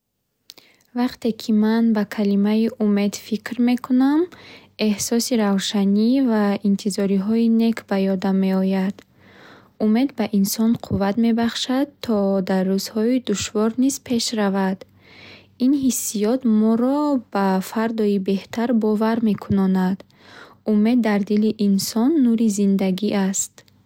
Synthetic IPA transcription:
vaqt̪e̞kʰimanbakʰalimaiʔume̞d̪fikɾme̞kʰunam | e̞hsɔsiɾavʃanivaint̪ʰizɔɾiɦɔine̞kʰbajɔd̪amːe̞ɔjad̪̥ | ume̞d̪baʔinsɔnqʰuvat̪me̞baχʃad̪t̪ʰːɔd̪arːuz̥hɔid̪uʃvɔɾniz̥pʰe̞ʃɾavad̪ | inɦisːijɔt̪mɔɾɔb̥afaɾd̪ɔibe̞ht̪ʰaɾbɔvaɾme̞kʰunɔnad̪ | ume̞d̪ːaɾd̪iliʔːnsɔnːuɾizind̪aɡiʔast̪

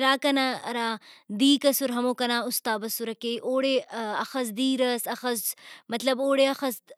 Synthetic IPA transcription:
ɾaːkɐnaɐ̰ɾaːd̪iːkɐsuɾɦɐmoːkɐnaːust̪aːbɐsuɾɐkeːʔoːɽeɐxɐz̬d̪iːɾɐsɐxɐzmɐt̪lɐboːɽeɐxɐs

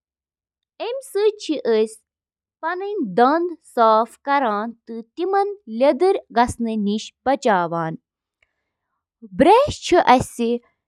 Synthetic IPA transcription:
emʲsɨt͡ʃʰiʔəsʲ | pɐnɐnʲd̪ɐnd̪saːfkɐɾaːnt̪ɨt̪imɐnlʲɐd̪ɨɾʲɡɐsnɨniʃbɐt͡ʃaːʋaːn | bɾeːʃt͡ʃʰiʔɐsi

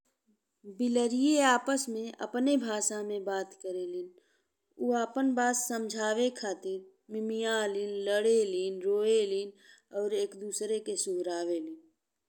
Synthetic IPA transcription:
bɪləɾijeaːpəsmẽə̰pnebʱaːʃamẽbaːt̪kəɾelɪn | uaːpənbaːsːəmd͡ʒʱaːʋekʰaːt̪ɪɾ | mɪmijãlɪnləɽeliːnɾoːelin | ɔːɾeːkd̪uːsɾekesʊɦɾaːʋeliːn

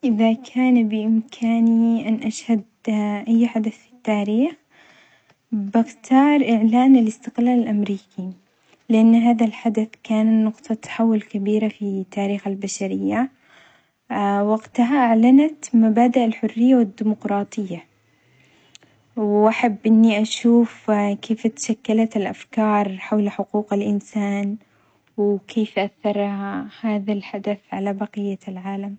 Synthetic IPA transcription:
ʔɪðakʰaːnbɪʔɪmkʰaːniʔanʔaʃhad̪ʔajːħad̪aθfi̥t̪ːaːɾiːx | bɪxt̪ʰɑːɾˤʔɪʕlaːnalɪst̪ɪqlaːlɪlʔamɾiːkʰi | lɪʔanːɦaːðalħad̪aθkaːnanʊqt̪ʰˤɑt̪ʰːḁħawːʊlkabiːɾafit̪ːaːɾiːxalbaʃaɾɪjːa | waɡt̪aɦaʔaʕlanat̪mabaːd̪aʔalħʊrːɪjːawɪd̪ːiːmʊqɾˤɑːt̪ˤɨjːa | wʔaħabːʔɪnːiʔaʃuːfkʰeːft̪ḁʃakːalat̪ɪlʔafkɑːɾˤħawlħʊquːqɪlʔɪnsaːn | wkʰeːfʔaθːɑɾˤhaːðalħad̪aθʕalabɑqɪjːalʕaːlam

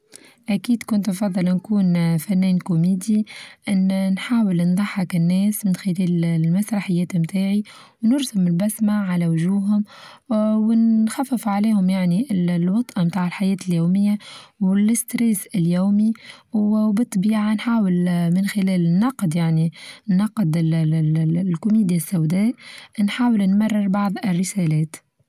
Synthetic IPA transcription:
ʔækiːd̪kʊnt̪fɑd̪ˤːɨlnkuːnfænːɛːnkʊmiːd̪iʔɪnːnħaːwɪlnd̪ˤɑħːɪkɪnːɛːsmɪnxɪlɛːllmasɾˤɑħɪjːɛːt̪ɪmt̪aːʕi | wnʊɾsʊmɪlbasmaʕalawʒuːɦʊm | wɪnxafːɪfʕaliːhʊmjaʕniɪlwɑt̪ˤʔɑmt̪aːʕɪlħajɛːt̪ɪljuːmɪjːawɪlɪst̪ɾɛːsɪljuːmi | bɨt̪ˤːbiːʕanħaːwɪlmɪnxɪlɛːlnːɑqːd̪jaʕninːɑqːd̪ | lkʊmiːd̪ijasːawd̪ɛːʔnħaːwɪlnmɑrˤːɪɾbɑʕðˤɪrːɪsæːlɛːt̪

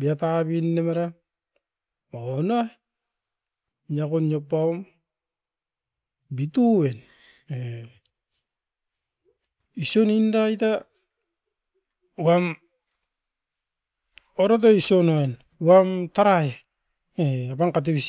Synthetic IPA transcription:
biatabinːemaɾa | maona | ɲakonjopːaom | bituwen | e | isonindaita | uam | oɾat̬oisonoen | uamtaɾaje | eapaŋkat̬eβis

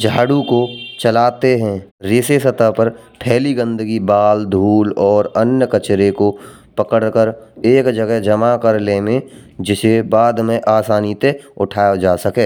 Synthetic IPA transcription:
d͡ʒʱaːɽukot͡ʃəlaːt̪eɦɛ̃ɾɪsesət̪apəɾpʰɛːliɡə̃nd̪əɡibaːld̪ʱuːlɔːɾənjəkət͡ʃɾeko | pəkəɽkəɾeːkd͡ʒəɡɛɦd͡ʒəmakəɾlemẽ | d͡ʒɪsebaːd̪mẽʔaːsaːnit̪eʊʈʰaːjad͡ʒaːsəkeː

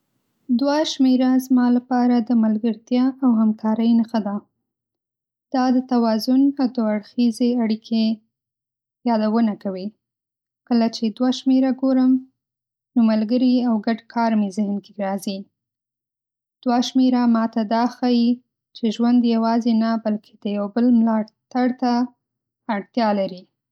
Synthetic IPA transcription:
d̪waʃmeɾazmɑlapɑɾad̪əmalɡəɾt̪jɑʔawhamkʰɑɾəjnaxad̪a | d̪̥ɑd̪ət̪awɑzʊnawd̪oaɽxizeaɽikʰe | jɑd̪awənakawi | kəlat͡ʃed̪waʃmeɾaɡoɾəm | nomalɡəɾiawɡaɖkʰɑɾmezɪhnkeɡɾɑzi | d̪̥waʃmeɾamɑt̪ad̪ɑxaji | t͡ʃeʒwand̪jawɑzenabalkʰe̥d̪̥əjawbəlmlɑt̪aɽt̪aː | ɽt̪jɑlaɾi

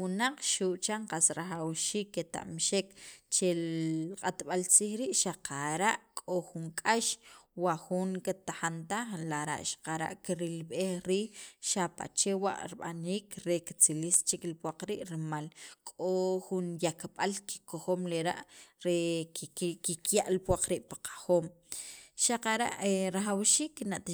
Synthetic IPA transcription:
wunaq͡χʃuʔt͡ʃaɴqasɾaxawʃiːkːet̪a̰ʔmʃekt͡ʃeqʼat̪ɓalt͡siːxɾiːʔʃaqʰaɾaʔkʼoxuŋkʼaʃwaxuŋket̪axant̪aχlaɾa̰ʔʃḁqaɾa̰ʔkiɾilɓexɾiːxʃapa̰t͡ʃewa̰ʔɾiɓa̰niːkɾekit͡silist͡ʃiklipwaq͡χɾiːʔɾmalkʼoxunjakɓalki̥koxoːmleɾa̰ʔɾe | kikjaʔlipwaq͡χɾiːʔpḁqʰḁxoːm | ʃaqaɾa̰ʔeɾaχawʃiːknaʔt̪

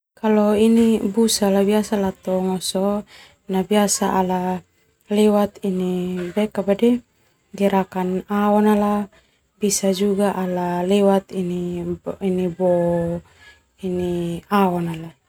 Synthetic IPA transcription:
kalɔinibusalabiasalat̪ɔŋɔsɔ | nabiasaʔala | lɛwat̪inibɛkabadɛ | ɡiɾakanaɔnala | bisad͡ʒuɡaʔalalɛwat̪iniinibɔ | iniaɔnala

